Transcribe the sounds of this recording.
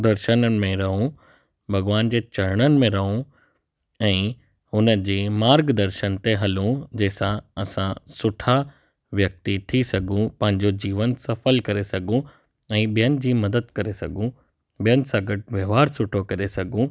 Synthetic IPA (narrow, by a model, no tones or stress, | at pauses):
d̪ɐɾʃənənɪ̆mẽɾɐɦũ | bʱɐɡʋaːnd͡ʑeːt͡ɕɐɾɽ̃ənɪ̆mẽɾɐɦũ | ɛ̃ː | ɦʊnəd͡ʑeːmaːɾɡd̪ɐɾʃənt̪eɦɐlũd͡ʑeːsãɐsãsʊʈʰa | ʋjɐk̚t̪iʈ̪ʰisɐɡʱũpɐ̃ɦɪ̃ɲd͡ʑod͡ʑiːʋənsɐfəlkɐɾesɐɡʱũ | ɛ̃ːɓijənɪ̆d͡ʑiːmɐd̪əd̪̚kɐɾesɐ̰ɡʱũ | bijənɪ̆sãɡɐʈ̚ʋjɐʋaːɾsʊʈʰokɐɾesɐɡʱũ